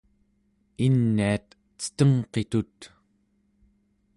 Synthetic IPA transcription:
inːiat̪ | t͡sə̥t̪əŋqe̞t̪ut̪

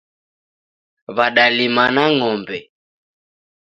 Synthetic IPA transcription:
βaɗalimanaŋɔmbɛ

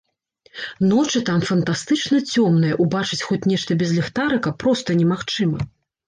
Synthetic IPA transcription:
nɔt͡ʂɨt̪amfɐnt̪ast̪ɨt͡ʂnɐt͡sʲɔmnɨjɐʔubat͡ʂɨt͡sʲxɔt͡sʲnʲɛʂt̪ɐbʲɛzʲlʲɛxt̪aɾɨkɐpːɾɔst̪ɐnʲɛmaxt͡ʂɨmɐ

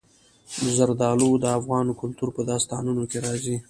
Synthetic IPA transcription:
zaɾd̪ɑlod̪əafɣɑnkʊlt̪uɾpəd̪ɑst̪ɑnunokeɾɑzi

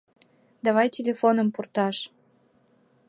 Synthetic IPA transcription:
d̪ɑβɑjtʲelʲefonəmpurt̪ɑʃ

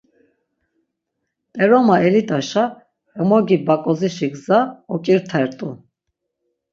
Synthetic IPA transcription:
t̪ʼɛɾɔmaɛlid̪aʃa | mɔɡibakʼɔziʃiɡzaɔkʼiɾt̪ʰɛɾt̪ʼu

